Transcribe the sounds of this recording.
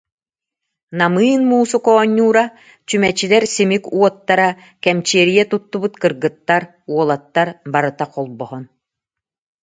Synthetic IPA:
namɯːnmuːsukɔːɲːuːɾa | t͡ɕymɛt͡ɕilɛɾsimikuɔt̪ːaɾa | kɛmt͡ɕiɛɾijɛt̪ut̪ːubɯt̪kɯɾɡɯt̪ːaɾ | uɔlˠat̪ːaɾbaɾɯt̪aqɔlˠbɔɦɔn

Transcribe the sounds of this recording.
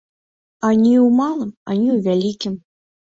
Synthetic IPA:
anʲiwmalˠɨmanʲiwvʲalʲikʲim

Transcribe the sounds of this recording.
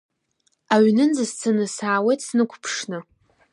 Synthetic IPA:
aɥnɨnd͡zɨst͡sʰɨnɨsaːwejtʰsnɨkʷʰpʰʂnɨ

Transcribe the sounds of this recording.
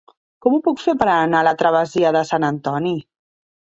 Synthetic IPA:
kɔmupukfepəɾanalət̪ɾəβ̞əziəðəsanənt̪ɔni

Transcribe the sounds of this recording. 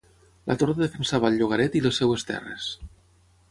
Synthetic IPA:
lʔa̰t̪oɾðaðefensaβalˠʲʎuɣaɾɛt̪ilesːɛwest̪ɛ̰rḛs

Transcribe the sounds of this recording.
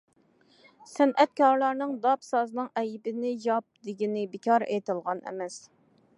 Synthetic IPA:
sɛnʔɛt̪̚kʰʲɑɾlˠɑɾnɨŋd̪ɑpsɑznɨŋɛjibɪnɪjɑp̚d̪ɪɡʲinɪbɪkʲɑɾejt̪ɨlˠʁɑnɛ̰mɛs

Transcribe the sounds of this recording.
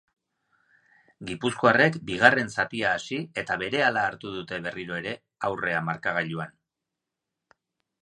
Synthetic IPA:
ɡipuskoare̞kbiɣ̞are̞nsapiaːsie̞t̪aβe̞ɾe̞alaːɾt̪uð̞ut̪e̞βe̞riɾo̞e̞ɾe̞ | awre̞amaɾkaɣaʎuan

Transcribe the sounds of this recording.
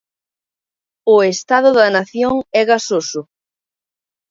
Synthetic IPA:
ʊest̪aðʊðɐnaθjoŋɛɣasosʊ

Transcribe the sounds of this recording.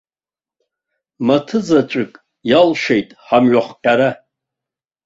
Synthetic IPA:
matʰɨzat͡ʃʷʼɨkʼ | jalʂejtʼħamɥaχʷqʲʼaɾa

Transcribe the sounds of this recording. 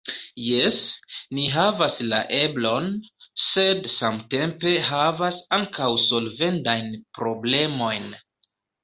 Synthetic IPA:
jesniɦavasla̰ʔe̞blo̞nse̞dsamte̞mpe̞ɦavasaŋkawso̞lve̞ntajnpɾo̞ble̞mo̞jn

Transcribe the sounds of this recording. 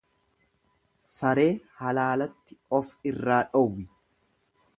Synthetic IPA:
sɐɾe̞ːhɐlaːlɐt̪ːɪɔfɪrːaːᶑɔwːɪ

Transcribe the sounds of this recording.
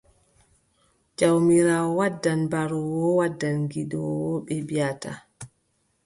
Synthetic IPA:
d͡ʒawmiɾaːwɔwadːanbaɾɔwɔwadːanŋɡidɔwɔɓɛbijata̰

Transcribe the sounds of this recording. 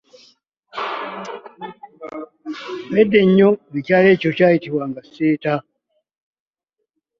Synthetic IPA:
wɛdɛɲɔnit͡ʃalɛt͡ʃɔt͡ʃaitiwaŋɡaseta

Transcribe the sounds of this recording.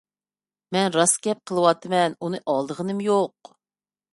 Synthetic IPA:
mɛnɾɑskʲɛp̚qʰəlˠɨwɑt̪ʰːɨmɛnunɨʔɑlˠd̪əʁənɨmjoq̚

